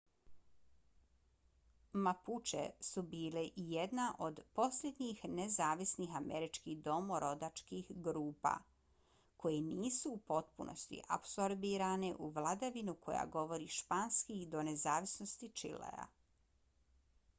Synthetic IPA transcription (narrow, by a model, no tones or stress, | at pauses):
maput͡ʃḛsubiːleʔijed̪naʔo̞d̪po̞slʲed̪ɲixnezaːʋisnixameɾit͡ʃkid̪o̞moɾo̞d̪at͡ʃkixɡɾuːpa̰ | kʰo̞jeniːsuːpo̞t̪̚puno̞̰st̪ḭʔa̰pso̞ɾbiːɾaneʔuʋlˠad̪aʋinukʰo̞ja̰ɡo̞ʋo̞ɾiʃpaːnskid̪o̞ne̞zaːʋisno̞st̪it͡ʃḭlḛa̰